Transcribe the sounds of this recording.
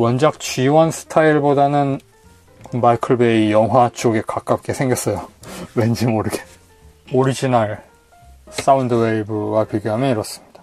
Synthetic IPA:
wʌnd͡ʑak̚t͡ɕɥiwʌnsʰɯ̥tʰaiɭbodanɯn | maikʰɯɭbe̞ijʌŋɦwat͡ɕ͈ʰoɡe̞kak͈ap̚k͈e̞sʰe̞ŋɡjʌs͈ʌjowe̞nd͡ʑimoɾɯɡe̞ | oɾid͡ʑinaɭ | s͈aundweibɯɡapjiɡjoɦamjʌniɾʌs͈ɯmɲid̥a

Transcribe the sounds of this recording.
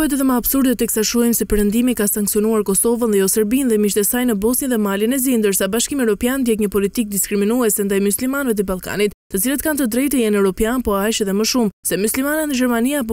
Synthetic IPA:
ɛt̪ɛðɛməabsuɾd̪ɔt̪ɛksaʃɔjmsɛpɛɾənd̪imikasaŋksiɔnuaɾkɔsɔvənðɛjɔsəɾbinðɛmiʃt̪ɛsajnəbɔsnjiðɛmalinɛzind̪əɾsabaʃkimiɛvɾɔpjand̪jɛkɲəpɔlit̪ik̚d̪iskɾiminuɛsɛnd̪ajmuslimanvɛt̪̬əbalˠka̰nit̪t̪ːət͡silət̪kant̪əd̪ɾɛjt̪əjɛnɛvɾɔpjanpɔajʃɛðɛməʃumsɛmuslimanaəd͡ʒɛɾmaniap̬ɔ

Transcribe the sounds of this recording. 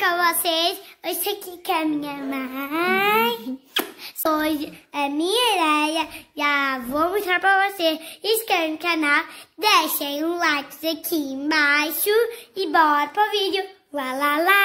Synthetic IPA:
kɐ̃vosesosekɪkɐmĩɲɐ̃ma | js | oʒɪɐmĩɲɐed̪ɛjɐʒavomoʃt̪ɾaɾpɾɐvoseʃɪskɛ̃kanawd̪eʃẽj̃ũlajkzɐkʰiẽbajʃʊɪbɔɾɐpɾɔvid̪jʊ | lalala

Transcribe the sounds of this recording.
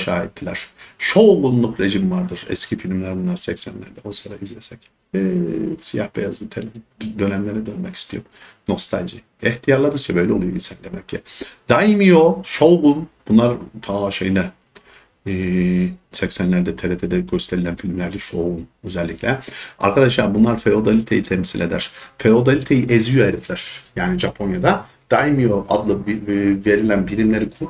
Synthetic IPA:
ʃa̰ːɛt̪ʰːilʲæ̰ɾ̥ʃo̞wɡunlːˠukɾe̞ʒimvaɾd̪ɯɾ̥ɛ̰scʰifilʲmlʲæɾbunlˠaɾsɛcsæ̰nlʲæ̰ɾd̪ɛojsad̪aizlʲesɛcː | sijahbejazɯt̪ʰeld̪ø̞næmlʲeɾɛd̪ønmɛci̥st̪ʰijo̰ɾ | no̞st̪ʰa̰lʲʒi | ɛht̪ʰijaɾlˠad̪ɯɾt͡ʃʰabø̞jlʲɛo̞lˠujobisɛnd̪emɛcʰːid̪̥ajimijoʃo̞wɡunb̥unlˠaɾt̪ʰaʃejnɛː | sɛcsænlʲæɾd̪ɛt̪ʰeɾet̪ʰed̪ɛɟøst̪ʰe̞ɾilʲænfilʲmlʲæɾd̪ɛʃo̞unøzɛlʲːiclʲɛa̰ɾkʰad̪aʃlˠaɾbunlˠaɾfeo̞d̪alʲit̪ʰejit̪ʰɛmsilʔed̪æ̰ɾ̥feo̞d̪alʲit̪ʰejiʔɛzyjoeɾiflʲæɾ̥jaːniʒapʰo̞njad̪a | d̪̥ajimijoʔad̪lˠɯbve̞ɾilʲænbilʲimlʲe̞ɾikʰuɾ

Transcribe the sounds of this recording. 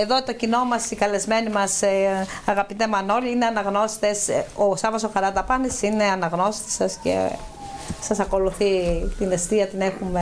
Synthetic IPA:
e̞ðot̪o̞cino̞mɐsikɐle̞zme̞nimɐsɐɣɐpit̪e̞mɐno̞liine̞ɐnɐɣno̞si̥t̪esosɐmɐsoxɐɾɐt̪ɐpɐnisine̞ɐnɐɣno̞si̥t̪e̥sɐsce̞̰ | sɐsɐko̞luθit̪inest̪iɐt̪inexume

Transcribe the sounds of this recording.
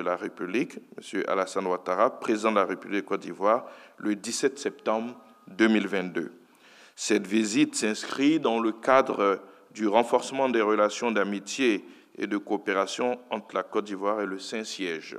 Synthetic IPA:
əlaʁepyblikmə̰sjøʔa̰lasɑ̃nd̪wat̪aʁapχezid̪ɑ̃d̪əlaʁepyblikkːɔt̪̚d̪ivwaʁləd̪isɛt̪sɛp̚t̪ɑ̃bʁ | d̪ømilvɛ̃t̪̚d̪ø̰ | sɛt̪vizit̪sɛ̃skχid̪ɑ̃ləkad̪ʁə | d̪yʁɑ̃fɔʁsəmɑ̃d̪ɛʁəlasjɔ̃d̪amit̪je | ḛd̪əkoːpeʁasjɔ̃ɑ̃t̪χlakɔt̪̚d̪ivwaʁeləsɛ̃sjɛʒ

